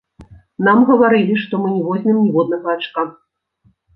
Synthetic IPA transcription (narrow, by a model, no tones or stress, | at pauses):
namɣɐvaɾɨlʲiʂt̪ɔmɨnʲivɔzʲnʲɨmnʲivɔd̪nɐɣɐat͡ʂka